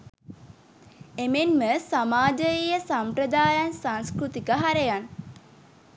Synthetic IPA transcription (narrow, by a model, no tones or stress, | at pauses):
emenməsamaːd͡ʒəjijəsampɾəd̪aːjansaŋskɾut̪ikəɦaɾejan